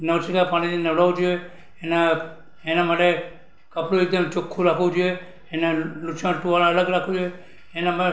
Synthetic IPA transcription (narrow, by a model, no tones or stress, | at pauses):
nəʋsikapaɽ̃it̪inəʋɽaʋud͡ʒue | ene | enamaʈe | kəpɽoek̚d̪əmt͡ʃokʰːũɾakʰud͡ʒue | enelut͡ʃʰãʈuʋalãələɡɾakʰud͡ʒue | enamae